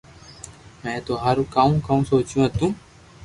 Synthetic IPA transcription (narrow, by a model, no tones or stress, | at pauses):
mɛ̃ːt̪oːɦaːɾũːkaːũːkaːũːsoːt͡ʃjũːɦət̪ũː